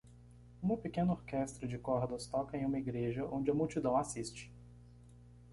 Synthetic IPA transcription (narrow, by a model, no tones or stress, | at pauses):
ũɐ̃pekẽnʊoɾkɛst̪ɾʊd͡ʒɪkɔɾd̪ɐst̪ɔkɐẽj̃ũmɐiɡɾeʒɐʔõnd͡ʒɪɐmuwt͡ʃid̪ɐ̃w̃asist͡ʃɪ̥